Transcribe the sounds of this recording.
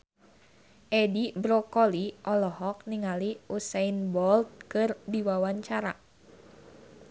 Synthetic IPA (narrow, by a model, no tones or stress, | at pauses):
ʔɛdibɾɔkɔliʔɔlɔɦɔk̚niŋaliusainbɔlt̪̚kɨrdiwawaɲt͡ʃaɾa̰